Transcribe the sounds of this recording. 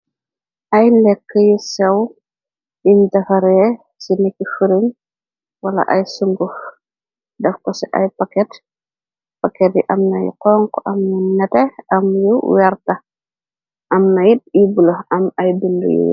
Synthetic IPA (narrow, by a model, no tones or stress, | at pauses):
ʔɐjlɛkːəjusɛw | dimdɐxɐɾɛ | sinekːifiɾin | wɐlɐ̰ʔɐjsuŋɡuf | dɛfkɔsɛʔa̰jpɐkɛt | pakɛt̚jiʔɐmnɐjṵqɔŋkɔʔɐmninɐtɛɐmjuwɛɾtɐ | ʔɐmnɐjitibuloɐmɐjbindṵjṵ